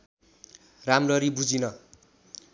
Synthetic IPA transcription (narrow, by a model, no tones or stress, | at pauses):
ramlʌɾibud͡zinʌ